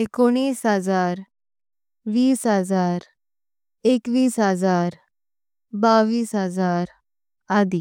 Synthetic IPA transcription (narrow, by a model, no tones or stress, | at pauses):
ekoɽ̃iːsɦəzaːɾ | ʋiːsɦəzaːɾ | ekʋiːsɦzaːɾ | baʋiːsɦəzaːɾ | ad̪iː